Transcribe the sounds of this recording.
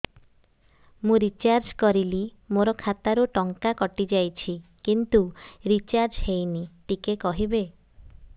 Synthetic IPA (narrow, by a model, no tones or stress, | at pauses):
mũɾit͡ʃaɾd͡ʒkɔɾili | moɾɔkʰat̪aɾuʈɔŋkakɔʈid͡ʒajt͡ʃʰikint̪uɾit͡ʃaɾd͡ʒhejniʈikekɔɦibe